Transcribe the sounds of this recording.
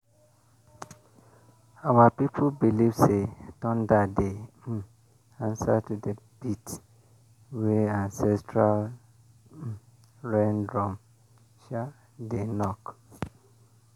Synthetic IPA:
awapipʰubilivsetɔ̃ndade | ãnsatudeb̥it | weãnsɛstɹal | ɹɛ̃ndɹɔ̃m | ʃa | denɔk

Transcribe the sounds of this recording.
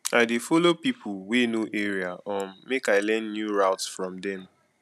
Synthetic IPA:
aɪdefɔlopipʰuwenuʔeɹiaɔ̃mːekaɪlɛ̃nnjuɹaʊtsfɹɔ̃mdɛ̃m

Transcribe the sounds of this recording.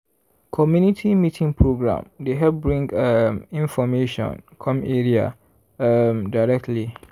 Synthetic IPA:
kʰɔmjunitʰimitʰĩŋpʰɹoɡɹã̰mdeɦɛbɹĩŋɡamĩnfɔmeʃɔ̰̃nkʰɔ̃meɹia̰ | amdaɪɹɛk̚tli

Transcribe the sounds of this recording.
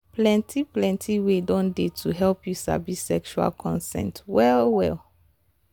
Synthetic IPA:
plɛ̃ntʰiplɛ̃ntʰiwedɔ̃ndetʰuɦɛlpjusa̰bisɛkʃua̰lkʰɔ̰̃nsɛ̰̃ntwɛlwɛ̰l

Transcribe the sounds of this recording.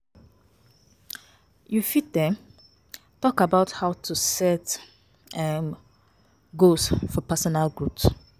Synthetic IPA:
jufitɛ | tɔkabaʊthaʊtʰusɛt | m | ɡosfɔpasɔnalɡɹups

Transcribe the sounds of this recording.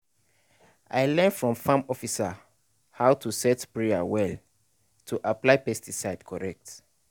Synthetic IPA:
ajlɛ̃nfɹɔ̃mfãmɔfisa | hawtʰusɛtpɹeawɛl | tʰuʔaplaɪpɛstisaɪdkʰɔɹɛk̚t

